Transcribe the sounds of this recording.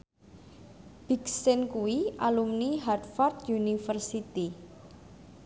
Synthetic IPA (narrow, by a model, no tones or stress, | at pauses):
b̥i̤ksɪnkuwiʔalumniɦad̪fɔrt̪junifərsit̪i